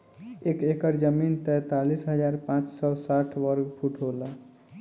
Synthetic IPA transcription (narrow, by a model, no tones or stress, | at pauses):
ekekəɾd͡ʒəmint̪ɛt̪alisɦəd͡ʒaɾpãt͡ʃsɔsaʈʰʋəɾɡpʰuʈʰɦolə